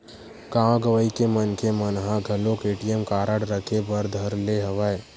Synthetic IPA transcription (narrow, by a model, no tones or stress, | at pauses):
ɡãːɡəʋəikemənkemənɦãɡʱɐlokeːʈijəmkaːɾəɽɾəkʰebəɾd̪ʱəɾleɦəʋəe